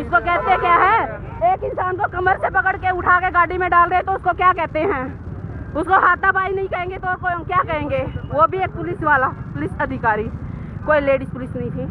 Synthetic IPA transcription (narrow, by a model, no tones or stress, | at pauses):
ɪskokɛɦt̪eɦɛ̃kjaːɦɛː | eːkɪ̃nsaːnkokɐməɾsepɐkəɽkeʊʈʰaːkeɡaːɽimẽɖaːlɾəẽt̪oʊskokjaːkɛɦt̪eɦɛ̃ː | ʊskoɦaːt̪̚abʱaːinɐɦĩkɐɦẽːŋɡet̪oːkokjakɐɦẽːŋɡeːʋobʱieːk̚pʊlɪsʋaːlapʊlɪsɐd̪ʱɪkaːɾikoːileːɖɪspʊlɪsnɐɦĩt̪ʰiː